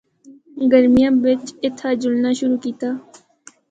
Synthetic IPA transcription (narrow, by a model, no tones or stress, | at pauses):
ɡəɾmɪjãːbɪt͡ʃɪt̪ʰːaːd͡ʒʊlnaːʃʊɾuːkiːt̪aː